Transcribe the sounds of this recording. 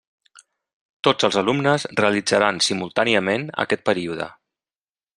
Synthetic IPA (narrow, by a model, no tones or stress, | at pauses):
t̪od͡zəlˠzəlumnəzreəlid͡zəɾansimulˠt̪aniəmenə̰kɛt̪̚pəɾiuðə̰